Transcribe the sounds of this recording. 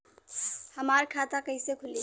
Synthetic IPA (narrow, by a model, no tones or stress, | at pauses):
həmaɾkʰat̪akəjsekʰuli